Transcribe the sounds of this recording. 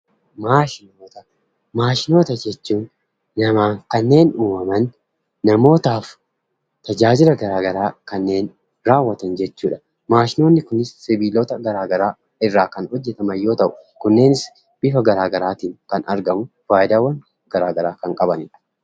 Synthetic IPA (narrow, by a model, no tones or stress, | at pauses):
maːʃɪnoːt̪ɐ | maːʃɪno̞ːt̪ɐd͡ʒɛt͡ʃːuːnː | ɐmaːŋkɐnːe̞ːnuːmɐmɐnː | ɐmo̞ːt̪aːf | t̪ɐd͡ʒaːd͡ʒɪlɐɡɐɾaːɡɐɾaːkɐnːe̞ːn | ɾaːwːɐt̪ɐnd͡ʒɛt͡ʃːuːᶑɐ̥ | maːʃɪno̞ːnːɪkʊnɪsːɪbiːloːt̪ɐɡɐɾaːɡɐɾaː | ɪrːaːkɐnhɔd͡ʒːɛt̪ɐmɐjːo̞ːt̪ɐʔʊkʊnːe̞ːnɪs | b̥ɪfɐɡɐɾaːɡɐɾaːt̪iːŋkɐnɐɾɡɐmʊ | faːjɪd̪aːwːɐn | ɡ̥ɐɾaːɡɐɾaːkɐŋkʼɐbɐnɪ̰ᶑɐ̥